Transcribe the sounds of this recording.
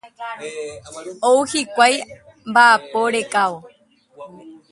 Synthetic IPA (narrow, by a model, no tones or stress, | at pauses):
owhikʷaj | mbaʔapoɾekaʋo